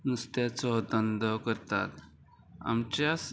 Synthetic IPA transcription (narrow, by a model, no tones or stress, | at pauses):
nust̪jat͡sɔd̪ənd̪əkəɾt̪a̰t̪ | a̰mt͡ɕas